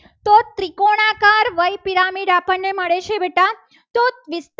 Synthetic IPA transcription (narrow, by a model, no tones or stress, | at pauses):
t̪ot̪ɾikoɽ̃akaɾʋəjpiɾamiɖapəɳːeməɭet͡ʃʰebeʈa | t̪ot̪ʋɪst